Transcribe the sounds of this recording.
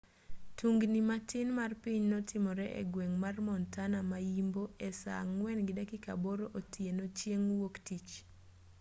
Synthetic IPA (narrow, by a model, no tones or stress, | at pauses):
tʰuŋɡnimatɪnmarpiɲnɔtʰɪmɔɾɛʔɛ̰ɡweŋmarmɔntanamajimboɛsa̰ŋwɛnɡɪdakɪka̰boɾoʔotʰienot͡ʃjeŋwoktit͡ʃ